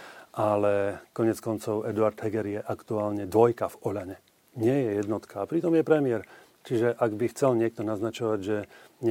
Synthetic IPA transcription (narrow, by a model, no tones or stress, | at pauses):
ʔalɛkɔɲɪɛt͡skɔnt͡sɔʊɛd̪uaɾd̪ɦɛɡɛɾjɛʔakt̪uaːlɲɛd̪ʋɔjkavɔʎaɲɛ | ɲɪɛjɛjɛd̪nɔt̪kaːpɾit̪ɔmjɛpɾɛmɪɛɾ | t͡ʃiʒɛʔaɡbixt͡sɛlɲɪɛk̚t̪ɔnaznat͡ʃɔʋaɟʒɛɲ